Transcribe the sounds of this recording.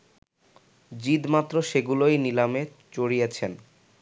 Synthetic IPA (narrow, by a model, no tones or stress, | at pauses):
d͡ʑid̪mat̪ːɾoʃeɡulojnilame | t͡ɕoɽijet͡ɕʰen